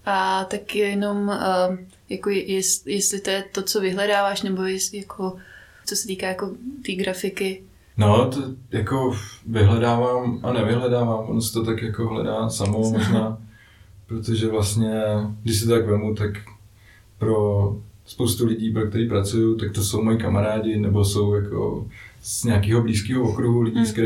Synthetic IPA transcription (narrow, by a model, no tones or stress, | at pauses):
ʔat̪akjɛjɛno̞m | jakojjɛsjɛslɪt̪ojɛt̪ot͡sovɪɦlɛdaːvaːʃnɛbo̞jɛsɪjakʰo | t͡sosɛt̪iːkaːjako̞t̪iːɡɾafɪkɪ | not̪ojakovɪɦlɛdaːvaːmʔanɛvɪɦlɛdaːvaːmvonosɛ̥t̪ot̪akjakoɦlɛ̰daːsamomoʒnaː | pɾot̪oʒɛvlast̪ɲɛɡdɪʃs̬ɪt̪oakvɛmut̪ak | pɾo̞spowst̪ulɪɟiːpɾok̚t̪ɛɾiːp̬ɾat͡sujot̪ak̚t̪oso̞wmojikamaɾaːdɪnɛboso̞wjakʰo̰z̥ɲɛakiːɦobliːskiːɦovokɾuɦulɪɟiːskɛ